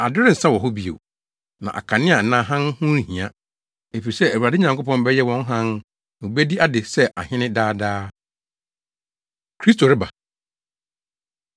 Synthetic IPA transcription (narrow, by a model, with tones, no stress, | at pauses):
a˨dʊ˦ɾɪ˦n̩˨sa˦wɔ˨ɦʊ˦bi˨ḛ˨ | nã̰˨ʔa̰˨kʰa˨nɪ̃˦a˨n̩˨nã˦ɦã˦nhũ˦˨hĩ˨a˦ | e˨fi˨i˨sɛ˦æ˨wu˨ɾa˨dɪ˦ɲã˨ŋkʰʊ˦pɔ̃˦m˦bɛ˦jɛ˦wɔ̃˦n˦ɦã˦n | ñ˨u˨bæ˦di˦a˦dɪ˨sɛ˦ʔa̰˨hɪ̃˦nɪ̃˦daː˦daː˦ | kʰɾi˦s̬tʰo˨ɾɪ˦ba˨